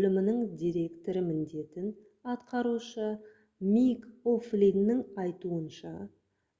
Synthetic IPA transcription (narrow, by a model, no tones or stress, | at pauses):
ɵlɪmɪnɪɴd̪ʲijɾe̞kt̪o̞ɾəmɪnd̪e̞t̪ɪn | ɑt̪qɑɾuʃə | mijkoflʲinːɪŋɑjt̪uənʃɑ